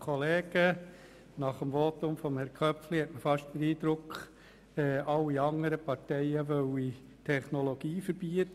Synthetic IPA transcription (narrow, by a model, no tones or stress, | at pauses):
kʰɔleːɡ̥ə | nɑχəmʋotʊmfɔmhɛɾkʰœpflihɛtməfɑʃtdəɾiːd̥̪ɾʊkχ | ɛːʔɑlːiɑŋəɾəpɑɾtɛɪəʋœwi | tʰɛχnoloɡ̥iːfəɾb̥iət